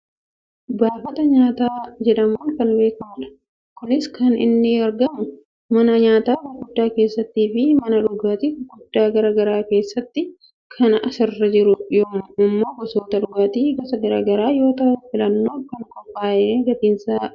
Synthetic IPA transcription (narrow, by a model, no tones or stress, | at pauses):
baːfɐt̪ɐɲaːt̪aːd͡ʒɛᶑɐmuːnkɐnbe̞ːkɐmɐᶑɐ̥ | kʊnɪskɐnɪ̰nːɪɐɾɡɐmʊ | mɐnɐɲaːt̪aːbɐɡʊdːaːke̞ːsːɐt̪ːiːfɪmɐnɐᶑʊɡaːt̪ifɡʊdːaːɡɐɾɐɡɐɾaːke̞ːsːɐt̪ːɪ | kʰɐnɐʔɐsɪrːɐd͡ʒɪɾʊjoːʊmːoːbɔsoːt̪ɐᶑʊɡaːt̪iːɡɐsɐɡɐɾɐɡɐɾaːjo̞ːt̪ɐhʊfɪlɐnːo̞ːkɐnkɔmbaːʔeːɡɐt̪iːnsaː